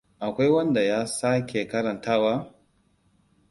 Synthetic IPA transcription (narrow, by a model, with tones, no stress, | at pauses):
ʔa˨kʷa˦jwɐ˦nda˨jaː˦sa˦kʲʰe˨kɐ˦ɾɐ˨ntaː˦˨waː˦